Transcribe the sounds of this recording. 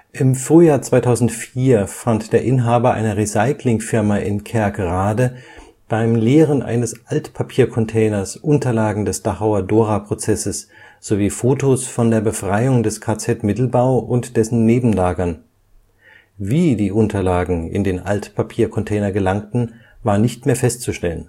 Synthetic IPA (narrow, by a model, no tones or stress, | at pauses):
ʔɪmfʁ̥yːjaːɐt͡sv̥aɪtʰaʊzn̩tfiːɐfantd̥eːɐʔɪnɦaːbɐʔa̰ɪnɐʁisaɪklɪŋfɪɐmaʔɪnkʰɛɐɡʁaːdə | b̥aɪmleːʁ̞ənʔa̰ɪnəsʔaltpʰapʰiːɐkʰɔntʰɛːnɐsʔʊntɐlaːɡŋ̩dɛsd̥aχaʊɐdoːʁapʁ̥ot͡sɛsəs | z̥oviːfoːtosfɔndeːɐbəfʁ̥aɪʊŋdɛskʰaːt͡sɛtmɪtl̩baʊʔʊntd̥ɛsn̩neːbm̩laːɡɐn | viːdiːʔʊntʰɐlaːɡŋ̩ɪ̰ndeːnʔa̰ltpʰapʰiːɐkʰɔntʰɛːnɐɡəlaŋtn̩ | vaːɐnɪçtmeːɐfɛstt͡suʃtɛlən